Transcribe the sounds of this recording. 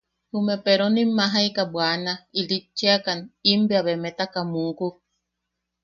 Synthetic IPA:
humepeɾonimːaɦajkabwanailit͡ʃːeakanimbiaβemet̪akamuku

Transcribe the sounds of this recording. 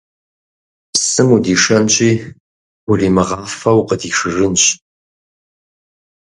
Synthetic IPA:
sɨmudiːʂɐnɕʼiː | wʊriːmɨʁɑːfɐwqədiːʂɨrɨnɕʼ

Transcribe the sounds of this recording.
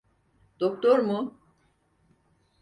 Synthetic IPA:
d̪̥ok̚t̪ʰoɾmu

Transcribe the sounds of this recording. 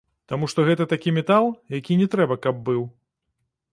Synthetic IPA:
t̪amuʂt̪ɔɣɛt̪ɐt̪akʲimʲɛt̪alˠjakʲinʲɛt̪ɾɛbɐkɐb̚ːɨw

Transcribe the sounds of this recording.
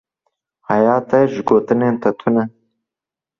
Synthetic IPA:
hajɑːt̪ɐʒɡoːt̪ɨneːnt̪ʰɐt̪ʰunɐ

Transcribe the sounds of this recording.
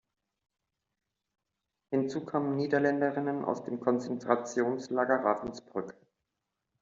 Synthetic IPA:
hɪnt͡suːkʰaːmənniːdɐlɛndəʁɪnənʔa̰ʊsd̥eːmkʰɔnt͡sɛntʁ̥at͡sjoːnslaːɡɐʁaːfnsb̥ʁʏk

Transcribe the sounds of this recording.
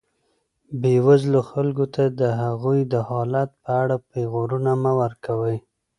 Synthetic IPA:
bewazloxalɡot̪ad̪əɦaɣujd̪əhɑlat̪̚pəaɽapeɣoɾunamawaɾkawəj

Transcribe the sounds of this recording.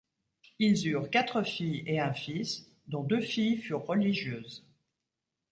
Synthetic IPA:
ilzyːʁkat̪χəfijeɛ̃fis | d̪ɔ̃d̪øfijfyʁːəliʒjøːz

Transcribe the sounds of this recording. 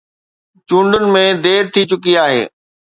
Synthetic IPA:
t͡ɕũːɳɖənɪ̆mẽd̪eːɾt̪ʰit͡ɕʊkiaːɦḛː

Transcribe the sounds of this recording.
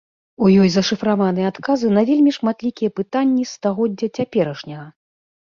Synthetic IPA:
ujɔjzɐʂɨfɾavanɨjɛat̪kazɨnɐvʲelʲmʲiʂmat̪lʲikʲijɛpɨt̪anʲːist̪aɣɔdd͡zʲːɐt͡sʲapʲɛɾɐʂnʲɐɣɐ

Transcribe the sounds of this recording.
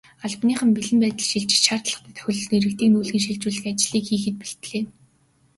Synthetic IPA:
aɮpniːχə̆mpiɮɘ̆mpæːt̪ə̆ɮʃiɮt͡ɕ̆ʃaːr̥t̪ɮə̆χt̪æːt̪ʰœ̥xʲɪ̆ɮɞ̆niɾɘ̆k̚t̪ʰiːknuːɮɣiːŋʃiɮt͡ɕuːɮ̆ʲat͡ɕɮiːkxiːxɘ̆t̪̚piɬt̪ɮeː

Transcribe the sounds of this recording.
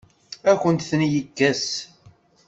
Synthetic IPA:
ækʷənt̪θnjəkːæs

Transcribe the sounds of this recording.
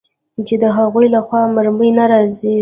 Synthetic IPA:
t͡ʃed̪əɦaɣujlaxwɑmaɾməjnaɾɑzi

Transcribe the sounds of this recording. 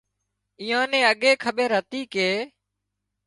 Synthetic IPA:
iːãːnẽːəɠeːkʰəɓeɾɦət̪iːkeː

